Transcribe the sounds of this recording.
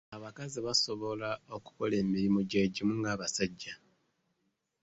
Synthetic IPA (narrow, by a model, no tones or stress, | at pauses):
aβakaziβaso̞βo̞lao̞ku̥ko̞le̞ːmiɾimoɟeɟimuŋɡaːβasaɟːa